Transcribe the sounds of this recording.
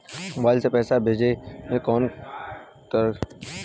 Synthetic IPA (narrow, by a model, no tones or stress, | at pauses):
baːlsepɛːsabʱeːd͡ʒemẽkɔːn | kəɾ